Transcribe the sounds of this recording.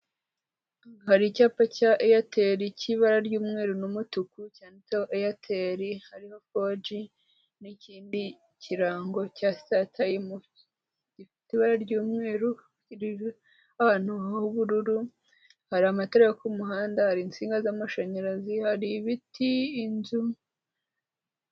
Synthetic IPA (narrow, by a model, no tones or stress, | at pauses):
haɾicaːpacaʔejateɾiciβaɾaɾɟuːmŋeːɾunumutukucaːnicoʔejatʰeɾihaɾiho̞fod͡ʒi | niciːndi | ciɾaːŋɡo̞castatʰajemu | ɟifitiβaɾaɾɟuːmŋe̞ːɾu | iɾi | ahaːnuuβuɾuɾu | haɾiamateɾejokumuɦaːndahaɾint͡siːŋɡazamaʃaɲaɾazihaɾiβitʰiːnzu